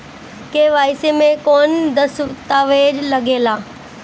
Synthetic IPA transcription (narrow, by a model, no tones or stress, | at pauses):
keːʋaːɪsemẽkoːnd̪ɐst̪aːʋeːd͡ʑlɐɡeːlaː